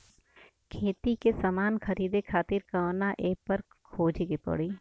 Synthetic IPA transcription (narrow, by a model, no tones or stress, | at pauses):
kʰeːt̪ikesɐmaːnxʰɐɾiːd̪ekʰaːt̪ɪɾkaːnaʔeːpɐɾ | kʰoːd͡ʒɡepɐ̰ɽiː